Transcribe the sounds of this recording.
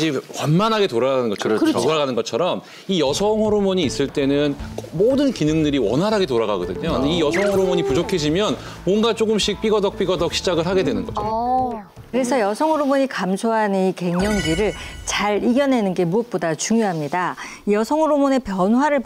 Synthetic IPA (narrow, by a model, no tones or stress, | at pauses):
d͡ʑiwanmanɦaɡe̞toɾaɡanɯnɡʌt͡ɕʰʌɾaɡanɯnɡʌt͡ɕʰʌɾʌm | ijʌsʰʌŋɦʌɾomoɲiːs͈ɯɭt͈e̞nɯnkmodɯnkinɯŋdɯɾiwʌ̰nɦaɾaɡe̞toɾaɡaɡʌdɯɲoijʌsʰʌŋɦɯɾomoɲipud͡ʑokʰe̞ɕʰimjʌn | mʌnɡat͡ɕ͈oɡɯmɕ͈ik̚p͈iɡʌdʌk̚p͈iɡʌdʌk̚ɕ͈ʰid͡ʑaɡɯɭɦaɡe̞dwe̞nɯnɡʌt͡ɕʰʌʌ | kɯɾe̞sʰʌjʌsʰʌŋɦʌɾomoɲikamsʰoɦanɯike̞ŋɲʌŋɡiɾɯɭt͡ɕaɾiɡjʌne̞nɯnɡe̞muʌp̚p͈odat͡ɕuŋjoɦamɲida | ijʌsʰʌŋɯɾomone̞pjʌnɦwaɾɯɭ